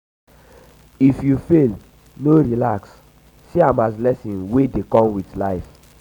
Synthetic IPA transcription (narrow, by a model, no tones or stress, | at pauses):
ifjufel | noɹilaksː | iãmazlɛsĩnwedekɔ̃mwitlaɪf